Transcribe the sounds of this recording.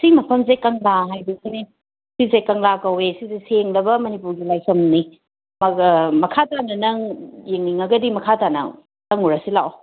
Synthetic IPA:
simɐpʰɐmsekɐŋlaɦajbisine | sizekɐŋlakɐwesizeseŋlɐbɐmɐnipuɾɡilajsʰɐmni | mɐmɐkʰatanɐnɐŋjeŋniŋɐɡɐdimɐkʰatanɐ̰ | tɐŋuɾɐsilaw

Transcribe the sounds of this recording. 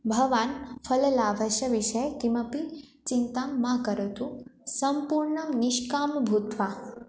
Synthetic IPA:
bʱɐʋaːnfʰɐlɐlaːʋɐʃɐʋiʃɐjt̪imɐpi | t͡ʃint̪aːmːakɐɾɐt̪usɐmpuːɾɳɐmniʃkaːmbʱut̪ʋaː

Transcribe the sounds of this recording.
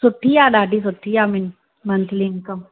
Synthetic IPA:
sʊʈʰːijaːɗaːɖis̬ʊʈʰːijaːmɪn | mɐnt̪ʰlinkɐm

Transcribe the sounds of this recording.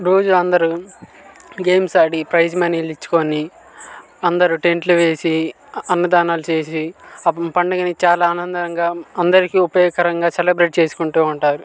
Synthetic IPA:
ɾo̞ːd͡ʒuɐnd̪ɐɾu | ɡe̞ːmsɐɖipɾɐjd͡ʒmɐniːlit͡ʃːu̥ko̞ni | ɐnd̪ɐɾuʈe̞ɳʈluʋe̞ːsi | ɐnːud̪aːnaːlut͡ʃe̞ːsipɐɳɖɐɡɐnit͡ʃaːlaːnɐnd̪ɐŋɡaːɐnd̪ɐɾikiupɐjɔːkɐɾɐŋɡaːselebɾe̞ːʈ̚t͡ʃe̞ːsu̥kuɳʈuːuɳʈaːɾu

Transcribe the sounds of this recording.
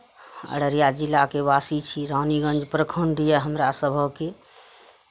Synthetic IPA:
ə̰ɽəɾijad͡ʒilːakebasit͡ʃʰiɾaniɡə̃nd͡ʒpɾəkʰəɳɖijəɦəmɾasəbʱəke

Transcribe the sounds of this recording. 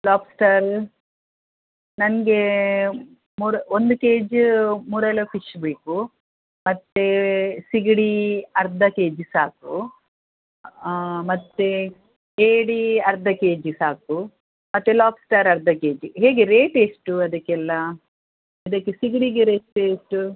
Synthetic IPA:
laːpsʈaːɾ | nɐnɡe | muːɾond̪ukeːd͡ʒmuːɾɛlɐpiʃbeːku | mɐt̪ːesiɡɽiɐɾd̪ʱɐke̞ːd͡ʒsaːk̚u | mɐt̪ːe | eːɽiɐɾd̪ʱɐke̞ːd͡ʒsaːku | mɐt̪ːelaːpsʈaːɾɐɾd̪ʱɐkeːd͡ʒuɦe̞ːɡeɾeːʈesʈuɐd̪ɐkːɛlːɐ | ɐd̪ɐkːesiɡɽiɡeɾeːʈːsʈu

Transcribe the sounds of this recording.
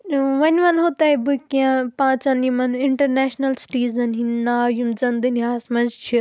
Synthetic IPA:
ʋɐnʲʋɐnɦot̪aibɨkiãpãːt͡ʃanimɐnɪɳʈɐɾneːʃnɐlsʈiːzɐnɦinnaːjumd͡zɐnd̪ɨniɦaːsmɐ̃nd͡ʒt͡ʃʰi

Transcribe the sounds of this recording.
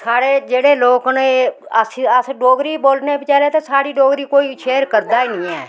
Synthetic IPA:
saːɽeːd͡ʒeːɽeːloːkneəsəsɖoːɡɾiːboːlnepɪt͡ʃɛːlet̪esaːɽiːɖoːɡɾiːkoːiʃeːɾkəɾd̪aːinɪ̃ːɛ̰ː

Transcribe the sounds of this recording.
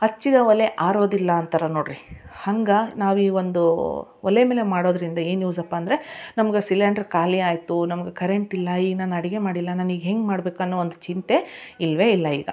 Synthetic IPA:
ɐt͡ʃːid̪ɐʋɐleʔaːɾo̞ːd̪ilːɐːnt̪ʰɐɾɐnoːɽɾihɐŋɡɐnaːʋiːʋond̪uʋɐlemeːle̞maːɽo̞ːd̪ɐɾind̪ɐiːnjuːsɐpːaɐːnd̪ɐɾenɐmɐɡesilaːɳɖɐɾkaːliaːjt̪unɐmɐɡe̞kɐɾeɳʈilːɐiːɡɐnaːnɐɽiɡe̞maːɽilːɐnaːniːɡɦe̞ŋɡmaːɽbe̞ːkuɐnːoond̪ut͡ʃint̪e̞ilʋe̞ilːɐḭːɡɐ̰

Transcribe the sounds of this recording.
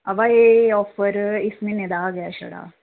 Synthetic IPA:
ɐʋaeɔːfɐɾisminːed̪aːɡɐjaʃɐ̰ɽa̰ː

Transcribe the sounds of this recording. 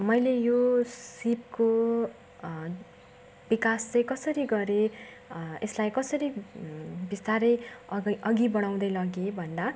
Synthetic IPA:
mʌjlejosip̚ko | bikaslejkʌsʌɾiɡʌɾe | eslajkʌsʌɾi | bist̪aɾʌjʌɡibʌɽ̃aw̃d̪ʌjlʌɡebʱʌnd̪a

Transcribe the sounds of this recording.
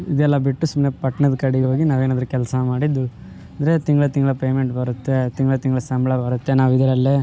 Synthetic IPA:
id̪ɛlːɐbiʈːusumnepɐʈːɐnɐd̪kɐɽiɡɦoːɡinaːʋeːnaːd̪ɐɾukɛlsɐmaːɽid̪ːu | ɐnd̪ɐɾet̪iŋɡɐɭɐt̪iŋɡɐɭɐpeːmeɳʈbɐɾut̪ːet̪iŋɡɭɐt̪iŋɡɐɭɐsɐmbɭɐbɐɾut̪ːenaːʋid̪ɐɾɐlːe

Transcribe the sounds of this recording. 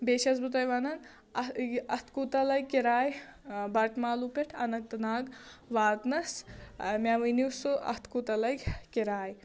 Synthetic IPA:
beːʃɐzbut̪ɐjʋɐnɐn | ɐt̪ʰkut̪ɐlɐjkiɾaːjbɐʈʰmaːlupeʈʰɐnɐk̚t̪ɐnaːɡʋaːd̪nɐsmʲaːʋɐniwsuʔɐ̰t̪ʰkut̪ɐlɐjkiɾaːj

